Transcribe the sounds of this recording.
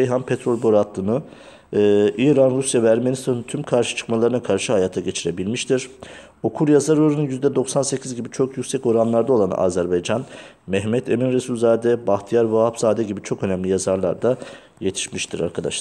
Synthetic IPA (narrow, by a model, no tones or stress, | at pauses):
ejɦanpʰet̪ɾo̞lʲbo̞ɾat̪lˠɯnɯ | ʔiːɾanɾusjavɛæɾmenist̪ʰanɯnt̪ʰymkʰaɾʃɯ̥t͡ʃʰɯ̥kmalˠaɾɯnakʰaɾʃɯhajaːt̪ʰaɟe̞t͡ʃʰiɾe̞bilʲmiʃt̪ʰiɾ̥ | o̞kʰuɾjazaɾoɾununjyzd̪ɛd̪oksanse̞cʰizɟibit͡ʃʰokjycʲsɛco̞ɾanlˠaɾd̪ao̞lˠana̰ːzæɾbajd͡ʒan | mɛɦmɛt̪ʰeminɾesulʲˠzaːd̪ɛbaxt̪ʰijaɾvaɦapzaːd̪ɛɟibit͡ʃʰo̞kø̞næmlʲijazaɾlˠa̰ɾd̪a | je̞t̪ʰi̥ʃmiʃt̪ʰiɾa̰ɾkʰad̪a̰ʃˠ